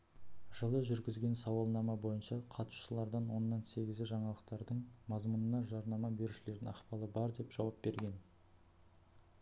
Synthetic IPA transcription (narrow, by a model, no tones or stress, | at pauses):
ʒ̥əlˠəʒʏɾɡʲɪzɡʲe̞nsɑwɑlˠnɑmɑbo̞jənʃɑqʰɑt̪u̥ʃəlˠɑɾd̪ɑnwo̞nːɑnse̞ɡʲɪzʲɪʒɑɴɑlˠəq̚t̪ɑɾd̪əɴmɑzmunənɑʒɑɾnɑmɑbe̞ɾuʃɪle̞ɾd̪ɪnɑχpɑlˠəbɑɾd̪e̞pʒ̥ɑwɑp̚be̞ɾɡʲe̞n